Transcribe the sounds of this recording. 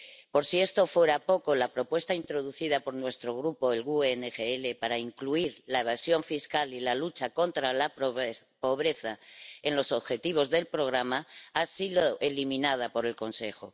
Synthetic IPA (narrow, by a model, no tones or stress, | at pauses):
po̞ɾsie̞st̪o̞fwe̞ɾapo̞ko̞lapɾo̞pwe̞st̪aint̪ɾo̞ð̞uθiðapo̞ɾnwe̞st̪ɾo̞ɣ̞ɾupo̞elɣuenexeele̞paɾaiŋkluiɾlaeβ̞asjo̞ɱfiskalilalut͡ʃako̞nt̪ɾalap | po̞β̞ɾe̞θae̞nlo̞so̞βxe̞t̪iβ̞o̞zðe̞lpɾo̞ɣ̞ɾamaasiðoʔelimĩnað̞apo̞ɾe̞lko̞nse̞xo̞